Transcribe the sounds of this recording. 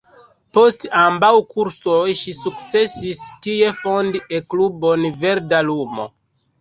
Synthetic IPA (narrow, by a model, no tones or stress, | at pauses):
po̞stambawkuɾsojʃisuk̚t͡se̞sistie̞fo̞ndiʔeklubo̞nve̞ɾdalumo̰